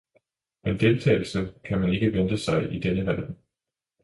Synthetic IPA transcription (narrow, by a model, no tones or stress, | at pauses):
mend̥e̝lt͡sʰɛ̰ɪl̩səkʰæmæne̝ɡ̥əʋend̥əsɑ̈ɪʔid̥enəʋæl̰